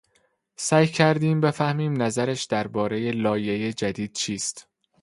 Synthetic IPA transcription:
sæːjcʰæɾd̪iːmbe̞fæhmiːmnæzæɾæʃd̪̥æɾbɒːɾeje̞lɒːje̞je̞d͡ʒæd̪iːd̪̥̚t͡ʃʰiːst̪

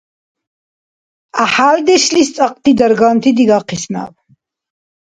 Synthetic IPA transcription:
aħaːld̪ɛʃlist̪sʼaqʼt̪ʰid̪aɾɡant̪ʰid̪iɡaqʰisna̰v

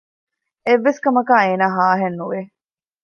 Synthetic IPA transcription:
eʋːeskɐmɐkaːeːnaːɦaːɦenːuʋe

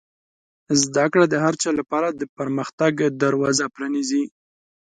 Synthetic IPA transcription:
zd̪akɽad̪əɦaɾt͡ʃɑlapɑɾad̪əpəɾməxt̪aɡd̪aɾwɑzapɾanizi

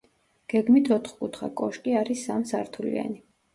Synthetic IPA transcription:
ɡ̥ɛɡmit̪ʰɔt̪ʰχkʼut̪ʰχa̰kʼɔʃkʼiaɾisamsaɾt̪ʰulḭa̰ni

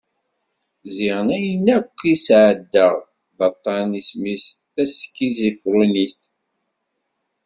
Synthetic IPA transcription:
zɪʁənæjənːækʷːisʕəd̪ːəʁ | ðɑt̪ˤːɑnismisθæskːizifɾunist̪

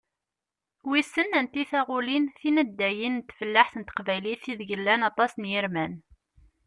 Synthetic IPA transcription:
wisənænt̪iθæʁʊlinθinəd̪ːæjinnt̪ːfəlːaħθənt̪ə̥qvæjliθiðɡəlːænɑt̪ˤɑsnjiɾmæn

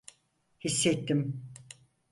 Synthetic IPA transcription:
hisːɛt̪ʰːim

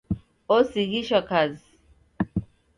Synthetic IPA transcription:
osiɣiʃɔkaz

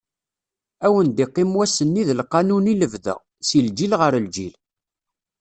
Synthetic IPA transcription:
æwənd̪iqːɪmwæsənːiðəlqɑnuniləvðə̰ʁ | sild͡ʒilʁəɾəld͡ʒil

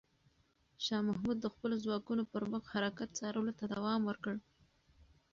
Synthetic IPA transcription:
ʃɑmahmud̪̚ːəxpəlozwɑkunopəɾbaxhaɾakat̪̚t͡sɑɾəwlot̪ad̪awɑmwəɾkəɽ

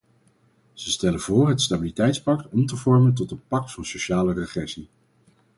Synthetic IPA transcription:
z̥əstɛlənv̥ʊːrɦətstabilitɛjtspɑktɔmtəvɔɹmənt̬ɔtətpɑk̚tfɑnsoʃaːlərəχrɛsi

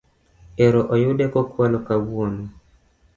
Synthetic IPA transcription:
eɾoʔojʊdekɔkwalɔkawono

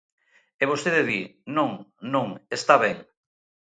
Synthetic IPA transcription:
eβ̞ost̪eðeðinõŋnõŋest̪aβeŋ

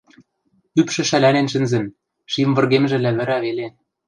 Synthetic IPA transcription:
ypʃɘ̆ʃælænenʃɘ̆nzɘ̆m | ʃimvɤ̆rɣemʒɘ̆læβɘ̆ɾæβele

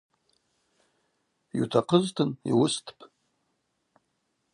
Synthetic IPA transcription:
jutʰaqʰəztʰɨnḭwʊstʰpʰʼ

